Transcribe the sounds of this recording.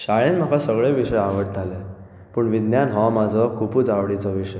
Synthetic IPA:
ɕajẽnm̤akasəɡɭeʋiʂəjaʋəʈ̚t̪ale | pəɳʋid̪njanɦɔmad͡zʱɔkʰuput͡saʋɽit͡sɔʋiʂəj

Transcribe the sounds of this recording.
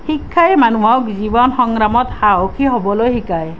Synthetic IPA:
xikʰːaɛmanuɦawkzibɔnxɔŋɹamɔt̪xaɦokʰiɦobɔlojɦikaj

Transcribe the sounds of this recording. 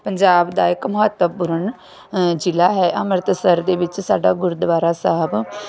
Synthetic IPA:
pəɲd͡ʒaːbd̪aːɪkmʊɦət̪ːəpʊɾəɳ | d͡ʒɪlaːɦɛːʔəməɾt̪səɾd̪eːʋɪt͡ʃsaːɖaːɡʊɾd̪ʋaːɾaːsaɦəb

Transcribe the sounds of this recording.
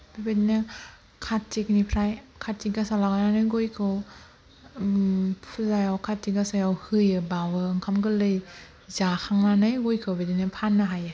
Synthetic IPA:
b̥ibedinɯ | kʰatːik̚nipʰɾajkʰatːikɡasalaɡananɯjɡojkʰɯw | pʰuzajawkʰatːiɡasajawhɯjɯbawɯɯŋkʰamɡɯlɯj | zakʰaŋnanɯjɡojkʰɯwbedinɯpʰanːaɦajɯ

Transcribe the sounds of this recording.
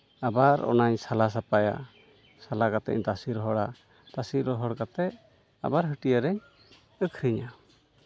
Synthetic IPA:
abaɾɔ̰naɲsalas̬apaja̰ | salakat̪ɛ̰ʔɲt̪asiɾɔɦɔɽa | t̪asiɾɔɦɔɽkat̪ɛʔ | a̰baɾɦəʈijaɾɛɲ | əkʰɾiɲa

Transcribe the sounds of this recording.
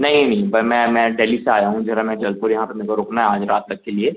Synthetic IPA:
nɐɦĩnɐɦĩbɐmɛ̃mɛ̃ːɖeːliseaːjaɦũd͡ʒɪɾamɛ̃d͡ʒɐlpʊɾjɐɦãpɐɾmeɾkoɾoːknaɦɛaːd͡ʒɾaːt̪ːɐk̚kelieː

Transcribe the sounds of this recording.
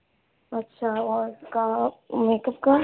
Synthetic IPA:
ɐtːʃʰaɔːɾkameːkəp̚ka

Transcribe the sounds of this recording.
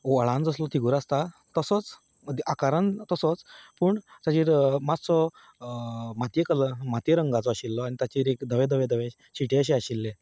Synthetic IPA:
oəɭãnd͡zəslɔt̪ʰiɡuːɾast̪a | t̪əsət͡s | d̪akaɾənt̪əsɔt͡spuːɳd͡ʑ̪at͡ɕiɾmat͡st͡sɔ | mat̪jekələmat̪jeɾəŋɡat͡sɔaɕilːɔaɽnit̪at͡ɕiɾekd̪ʱəʋẽd̪ʱəʋẽd̪əʋẽ | ɕiʈeəɕ̬eaɕilːẽ

